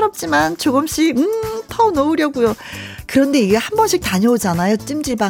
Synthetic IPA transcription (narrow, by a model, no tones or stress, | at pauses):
ɾʌp̚t͡ɕ͈imant͡ɕoɡɯmɕ͈ʰiɯtʰʌnʌuɾjʌɡujokɯɾʌnde̞iɡe̞hambʌnɕʰik̚taɲʌud͡ʑanajot͡ɕ͈imd͡ʑiɭba